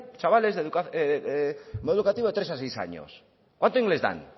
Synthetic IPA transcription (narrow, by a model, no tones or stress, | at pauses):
t͡ʃaβale̞zðeðukaeemoðukat̪iβo̞e̞t̪ɾe̞sasejsa̰ɲo̰s | kwant̪oiŋɡle̞zða̰n